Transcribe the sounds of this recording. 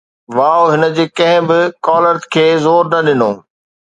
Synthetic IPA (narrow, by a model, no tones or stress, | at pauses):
ʋaːoɦɪnə̆d͡ʑeːkɐ̃ɦɪ̃bɪkɔːləɾt̪kʰeːzoːɾnɐɗɪnoː